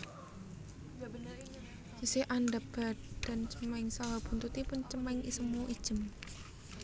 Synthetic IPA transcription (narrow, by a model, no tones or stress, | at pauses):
d͡ʒisɪhʔandab̥ad̥a̤nt͡ʃəmaɪŋsawab̥unt̪ut̪ipʊnt͡ʃəmaɪŋʔisəmuʔid̥ʒ̥ə̤m